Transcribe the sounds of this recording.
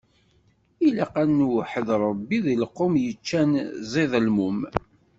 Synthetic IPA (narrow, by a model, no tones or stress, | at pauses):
ilaqænːwħəðɾˤəbːiðiləqːomjət͡ʃːænzˤiðˤlmum